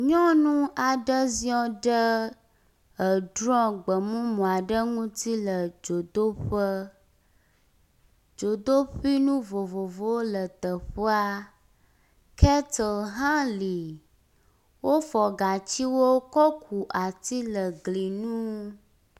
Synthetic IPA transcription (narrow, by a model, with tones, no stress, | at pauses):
ɲɔ̃˦nũ˦a˨ɖə˦zĩ˦ɔ̃˦ɖə˦ | ə˨ɖɾɔ̃˦ɡ͡bə˨mũ˦mɔ̃˨a˨ɖə˦ŋũ˦t̪i˦lə˨d͡ʒo˨d̪o˦ɸə˦ | d͡ʒo˨d̪o˦ɸi˦nũ˦vo˨vo˨vo˦wo˦lə˨t̪ə˨ɸə˦a˦ | kɛ˦t̪ə˨ɦã˦li˨ | wo˦fɔ˨ɡa˨t͡ɕi˦wo˦kɔ˦kʰu˨ʔa˨t̪i˦lə˨ɡli˨nũ˦